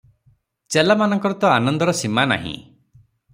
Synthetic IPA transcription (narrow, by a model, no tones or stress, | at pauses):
t͡ʃelamanɔŋkɔɾɔt̪ɔanɔnd̪ɔɾɔsimana̰ɦḭ̃